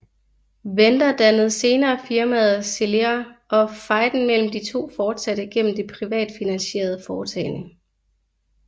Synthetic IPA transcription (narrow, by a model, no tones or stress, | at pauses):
ʋend̥ɐd̥ænəð̞̩ˠse̝ːnɐːfiɐmæð̞ˠse̝lɐʔɒ̽fɑ̈ɪ̰d̥n̩mel̰m̩d̥it͡sʰo̝̰ːfɒːd̥sæd̥əɡ̥en̰m̩d̥e̝pʰʁiʋɛ̰ːd̥finænɕe̝̰ːɐð̞ˠəfɒːt͡sʰɛɪnə